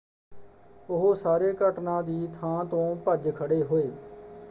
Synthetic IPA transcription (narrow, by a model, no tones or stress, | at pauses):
ʊɦosaːɾeːkəʈnãːd̪iːt̪ʰãːt̪õːpəd͡ʒkʰəɽeːɦoːeː